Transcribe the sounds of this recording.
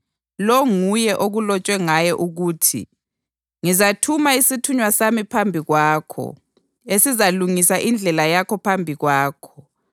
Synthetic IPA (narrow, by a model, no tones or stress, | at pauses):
lɔŋujɛʔoɣulɔt͡ʃʼwɛŋajɛʔuɣuːtʰḭ | ŋizatʰumaisitʰuɲwasamipʰambʱiɣwaːkʰɔ̰ | esizaluŋisaʔind͡ɮʱɛlajakʰɔpʰambʱiɣwaːkʰɔ̥